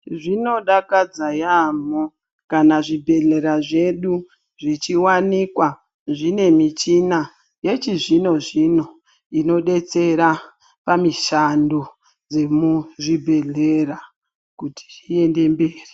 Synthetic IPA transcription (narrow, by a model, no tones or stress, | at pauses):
ʐino̞ɗakad͡zajamo | kanaʐibʱe̞ɮe̞ɾaʐe̞ɗu | ʐit͡ʃiwanikwa | ʐine̞mit͡ʃina | je̞t͡ʃiʐino̞ʐino̞ | ino̞ɗe̞t͡se̞ɾa | pamiʃando | d͡ze̞muʐibʱe̞ɮeɾa | kuti̥ie̞nde̞mbeːri